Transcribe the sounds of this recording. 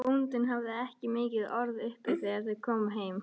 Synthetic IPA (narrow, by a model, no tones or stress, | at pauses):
unt̪ɪnɦavðɪɛhcɪmɪːcɪðɔɾðʏhpɪ̥θɛaɾ̥θɛðkʰɔːmɦeːjm